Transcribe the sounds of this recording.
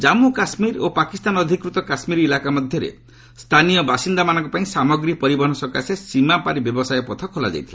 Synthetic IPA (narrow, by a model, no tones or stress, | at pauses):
d͡ʒamukasmiɾopakist̪anɔd̪ʱikɾut̪ɔkasmiɾilakamɔd̪ʱjɔɾḛ | st̪ʰanijɔbasind̪amanɔ̃ŋkɔpaĩsamɔɡɾipɔɾibɔɦɔnɔsɔkasesimapaɾibjɔbɔsajɔpɔt̪ʰɔkʰolad͡ʒa̰jt̪ʰila